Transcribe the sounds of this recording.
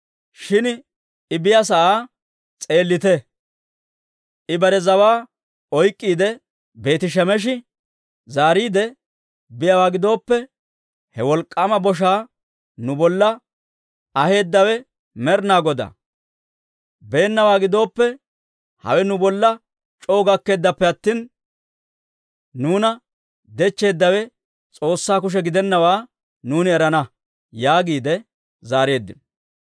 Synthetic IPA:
ʃɪn | ɪbɪjas̬ɐʔaː | t͡sʼe̞ːlːɪt̪ɛ | ʔɪbɐɾɛzɐwaː | ɔjkʼːiːd̪ɛ | be̞ːt̪ɪʃ̬ɛmɛʃ̬ɪ | zaːɾiːd̪ɛ | bɪjɐwaːɡɪd̪o̞ːpːɛ | hɛwɔlkʼːamɐbɔʃ̬aː | nʊbɔlːɐ | ɐhe̞ːd̪ːɐwɛ | mɛɾnaːɡɔd̪ɐ̰ | be̞ːnːɐwaːɡɪd̪o̞ːpːɛ | hɐ̰wɛnʊbɔlːɐ | t͡ʃʼo̞ːɡɐkːe̞ːd̪ːɐpːɛɐt̪ːiːn | nuːnɐ | d̪ɛt͡ʃːe̞ːd̪ːɐwɛ | t͡sʼo̞ːsːaːkʊʃ̬ɛɡɪd̪ɛnːɐwaː | nuːnɪɛɾɐnɐ | jaːɡiːd̪ɛ | zaːɾe̞ːd̪ːɪ̰nɔ

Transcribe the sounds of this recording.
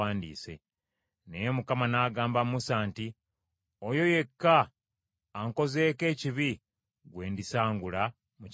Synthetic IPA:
aːndḭːse̞̰ | ne̞jemukamanaːɡaːmbammusaːnti | ojo̞je̞kːaː | ŋko̞ze̞ːke̞ːciβi | ɡwe̞ːndisaːŋɡula | mu

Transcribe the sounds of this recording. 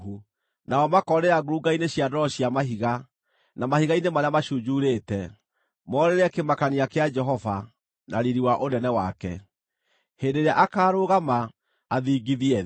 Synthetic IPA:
u | naɔmakɔɾeaɡoɾuɡaineɕiadɔɕiamaɦiɣa | namahiɣainemaɾeamaʃud͡ʒuɾeːtɛ | mɔɾeɾɛkemakaniakead͡ʒɛɦɔva | naɾiɾiwaʔonɛnɛwakɛ̰ | hendeɾeaʔakaːɾoɣama | aðiːɡiðiɛ

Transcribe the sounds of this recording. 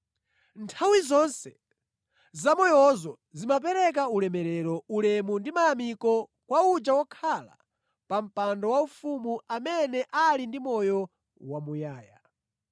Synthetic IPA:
ntʰawizɔnsɛ | zamɔjɔzɔ | zimap̬ɛɾɛk̬aulɛmɛɾɛɾɔulɛmundimajamikɔ | kwaud͡ʒawɔkʰala̰ | pam̩pandɔwaufumuamɛnɛʔalindimɔjɔ | wamujaːja̰

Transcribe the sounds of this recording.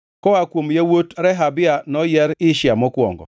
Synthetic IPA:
kɔakwomjawotɾɛɦabɪanɔjɛɾɪʃɪamɔkwɔ̰ŋɡɔ̰

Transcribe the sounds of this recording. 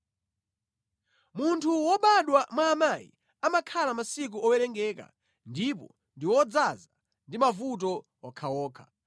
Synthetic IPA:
muntʰuwɔɓaɗwamwaːmajḭ | amakʰalamasik̬uɔwɛɾɛŋɡɛːka̰ | ndipɔ | ndiwɔd͡zaza | ndimavut̬ɔ | ɔkʰawɔːkʰḁ

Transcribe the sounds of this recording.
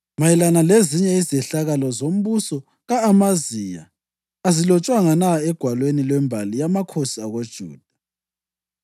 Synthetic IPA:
majɛlanaleziɲɛizɛɬaɣalɔzom̩βusɔ | ɣaːmazija̰ː | zilɔt͡ʃʼwaŋanaɛɡ̥ʱwalwenilwɛmbʱalijamakʰosiaɣod̥ʒ̥ʱṵːd̥ʱḁ

